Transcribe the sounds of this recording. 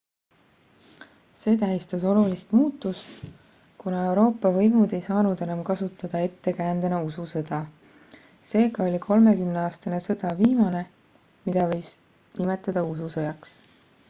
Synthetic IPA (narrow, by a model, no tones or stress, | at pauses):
se̞ːt̪æɦist̪ɑso̞lulist̪muːt̪ːˑust̪ | kunɑe̞wɾo̞ːpːˑɑvɤjmud̪e̞jsɑːnud̪e̞nɑmkɑsut̪ːˑɑd̪̥ɑe̞t̪ːe̞kæːnd̪̥ɑnɑususɤd̪̥ɑ | se̞ːɡɑo̞lʲikʰo̞lme̞kymneɑːst̪ɑne̞sɤ̞d̪̥ɑviːmɑne̞ | mid̪̥ɑvɤ̞js | nime̞t̪ːˑɑd̪̥ɑususɤjɑks